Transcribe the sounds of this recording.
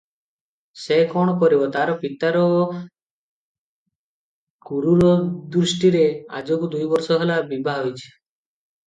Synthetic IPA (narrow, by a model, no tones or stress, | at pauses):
sekɔɳ̃ɔkɔɾibɔt̪aɾɔpit̪aɾɔ | kuɾuɾɔd̪ɾusʈiɾea̰d͡ʒokud̪ujbɔɾsɔɦelabibʱaɦɦojt͡ʃʰe̥